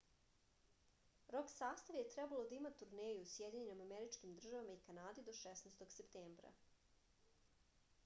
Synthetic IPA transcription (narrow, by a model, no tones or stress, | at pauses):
ɾo̞ksaːst̪aʋjet̪ɾɛbalo̞d̪aimat̪uɾneːjuusjed̪iɲenimameɾit͡ʃkimd̪r̩ʒaʋamaikanaːd̪id̪o̞ʃesneːst̪o̞ɡsept̪eːmbɾa̰